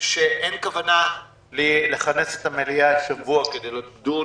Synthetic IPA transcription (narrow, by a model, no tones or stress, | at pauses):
ʃeʔenkavana | lile̞χaneset̪hameliaʃavuaked̪ejlot̪ɡd̪u